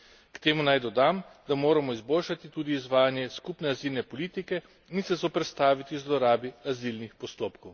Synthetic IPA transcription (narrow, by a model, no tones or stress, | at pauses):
kt̪eːmunajd̪ɔd̪amd̪amoːɾamɔizboːlʃat̪it̪uːd̪iːzʋaːjanjɛskupnɛazilnɛpɔliːt̪ikɛ | insɛzɔpɾɛt̪st̪aːʋit̪izlɔɾaːbiazilnixpɔst̪oːpkɔw